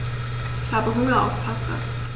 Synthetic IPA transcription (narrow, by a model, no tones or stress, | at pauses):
ʔɪçhaːbəɦʊŋɐʔa̰ʊfpʰasa̰